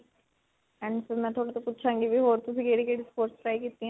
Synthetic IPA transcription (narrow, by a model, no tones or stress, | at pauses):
ɛ̃ɳɖsəmɛ̃t̪ʰoːɽat̪oput̪ːt͡ʃʰãŋɡiʋiɦoːɾt̪ʊsĩkeːɽikeːɽispoːɾʈspɾaːikiːt̪iɛ̃